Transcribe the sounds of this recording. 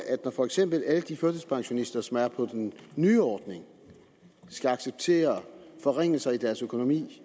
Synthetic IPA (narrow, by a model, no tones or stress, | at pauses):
ʔæd̥nɒfɒ̽eɡ̥sem̰b̥l̩æləd̥iføɐd̥əspʰɑ̈ŋɕo̝nisd̥ɐsɒ̽mæɐpʰɒ̽d̥enːyːɒːd̥ne̝ŋ | sɡ̥æɑ̈ɡ̥seb̥̚t͡sʰe̝̰ːɐfɒ̽ʁeŋ̰l̩sɐid̥æɐsøkʰo̝no̝mḭː